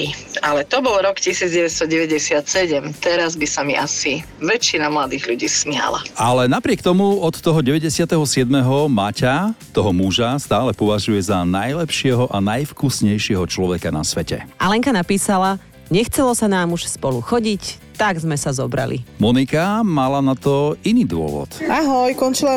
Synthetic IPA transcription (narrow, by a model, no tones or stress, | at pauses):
alɛt̪ɔbɔlɾɔkcisiːd͡zɟɛʋɛt̪st̪ɔɟɛʋɛɟɛsɪat̪sɛɟɛmt̪ɛɾazbisamiʔasi | ʋɛt͡ʃːinamlad̪iːɣʎuɟiːsmɪa̰la̰alɛnapɾɪɛkt̪ɔmuɔt̪ːɔɦɔɟɛʋɛɟɛsɪat̪ɛɦɔsɪɛd̪mɛɦɔmacat̪ɔɦɔmuʒast̪aːlɛpɔʋaʒujɛzanajlɛpʃɪɛɦɔʔanajfkusɲɛjʃɪɛɦɔt͡ʃlɔʋɛkana̰sʋɛcɛ̰ʔalɛŋkanapiːsala | ɲɛxt͡sɛlɔsanaːmuʃspɔluxɔɟic | t̪aɡzmɛsazɔbɾa̰lḭmɔnikamalanat̪ɔiniːd̪ʊɔ̰ʋɔ̰t̪aɦɔjkɔnt͡ʃila